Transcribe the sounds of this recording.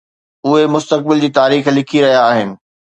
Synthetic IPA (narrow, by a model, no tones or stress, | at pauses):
ʊɦemʊst̪ək̚bɪld͡ʑiːt̪aːɾiːxlɪkʰiɾɐɦijaːɦɪnɪ̆